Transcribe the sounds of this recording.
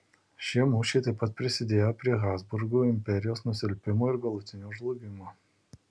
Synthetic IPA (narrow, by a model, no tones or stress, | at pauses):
ʃʲiɛmuːʃʲɛɪt̪ɐɪpɐt̪̚pʲɾʲɪsʲɪd̪ʲeːjopʲɾʲiɛɣɑːzbʊɾɡuːɪmʲpʲɛɾʲɪjoːsnʊsʲɪlʲpʲɪmoːɪɾɡɐlˠʊt̪ʲɪnʲuːʒlˠʊːɡʲɪmoː